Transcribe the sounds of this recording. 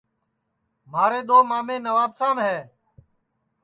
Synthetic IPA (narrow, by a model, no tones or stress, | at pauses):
maːɾeːɗ̪oːmaːmẽːnəʋaːbsãːmɦɛː